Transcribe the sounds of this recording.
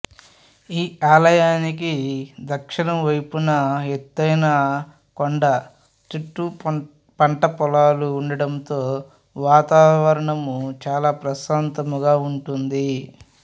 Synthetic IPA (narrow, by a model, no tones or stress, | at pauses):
iːaːlɐjaːnikid̪ɐkʂɐnɐmʋɐjpunɐet̪ːɐjnaː | koɳɖɐ | t͡ʃiʈːu | pɐɳʈɐpɔlaːluːɳɖɐɽɐnt̪oː | ʋaːt̪aːʋɐɾɐɳɐmut͡ʃaːlaːpɾɐsaːnt̪ɐmuɡaːuɳʈund̪i